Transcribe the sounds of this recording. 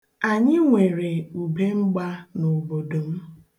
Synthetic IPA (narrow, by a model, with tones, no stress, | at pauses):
a˨ɲɪ˦ŋʷe˨ɾe˨u˨be˦ŋ͡m̩˦ɡ͡ba˦no˨bo˨do˨m̩˦